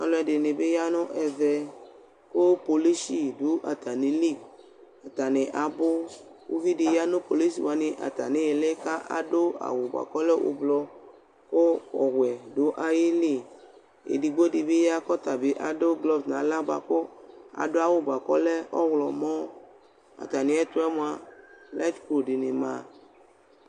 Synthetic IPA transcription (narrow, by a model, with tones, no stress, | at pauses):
a̰˨lɔ˨˦ɛ˨de˨ne˨be˦ja˦nʊ̃˦ʔɛ˨vɛ˨ | ko˦po˨li˦si˦du˨˦ʔa˨t̪a˨nẽ˨li˦˨ | a˨t̪a˨nẽ˨ʔa˨bo˦wo̰˦vi˦de˨ja˦nʊ̃˦po˨li˦s̬i˨wa˨nɪ̃˨ʔa̰˨t̪a̰˨nẽ˨˦e˨lɛ˦ka˦ʔa̰˨do˦a̰˨wo˨ba̰˨kɔ˦lɛ˦wʔo̰˨blɔ˦ | ko˦ɔ˨ɣʷɛ˨do˨˦ʔa˦ji˦li˦˨ | ḛ˨di˨ɡ͡bo˦di˧bi˦ja˦kɔ˦t̪a˨bɪ˨˦ʔa˨dʊ˦ɡlɔ˦bnã˨˦la˦ba̰˨ko˦a̰˨dʊ˦a˦˨wʊ˨ba˨kɔ̰˦lɛ˦ɔ˦wlɔ˨mɔ̃˦ | a̰˨t̪a˨nɪ̃˨˦ɛ˦t̪ʊ˦ɛ˦mõ˨a˨lɛ˦tko˨di˨nɪ˨mã˨